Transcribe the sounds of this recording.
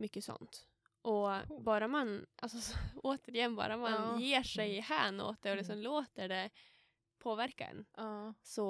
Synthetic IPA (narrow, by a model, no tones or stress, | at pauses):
mʏkːəsɔ̰nt̪ | ʔɔbɑːɾamanʔa̰lsɔoːt̪əɾɪjɛnːbɑ̰ːɾamanjeːʂɛjhæːno̰ːt̪̚d̪ɛɔlɛs̬ɔmloːt̪əɖɛ | pʰoːvæɾkaɛ̰nsɔ